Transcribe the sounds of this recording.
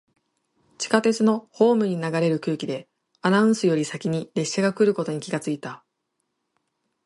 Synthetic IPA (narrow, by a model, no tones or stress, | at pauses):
t͡ɕi̥kat̪e̞t͡sɨno̞ho̞ːmɯ̟ɲ̟inaɡaɾe̞ɾɯ̟kɯ̟ːkʲid̪e̞ | anaɯ̟̃sɨjo̞ɾʲisakʲiɲ̟iɾe̞ɕːaɡakɯ̟ɾɯ̟ko̞t̪o̞ɲ̟ikʲiɡat͡sɨit̪a